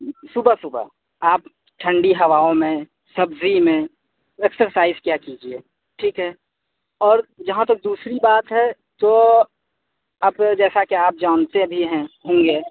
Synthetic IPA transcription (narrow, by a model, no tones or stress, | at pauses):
sʊbʱasʊbʱa̰ | aːp | ʈʰə̃ɳɖiɦɐʋaːõmẽ | sɐbzimẽ | eksəɾsaːɪzkjakid͡ʒie | ʈʰiːkɦɛ | ɔːɾd͡ʒɐɦãt̪ɐk̚d̪uːsɾibaːt̪ɦɛ | t̪o | ɐbd͡ʒɛːsakiaːp̚d͡ʒaːnsẽbʱiɦɛ̃ɦõːŋɡeː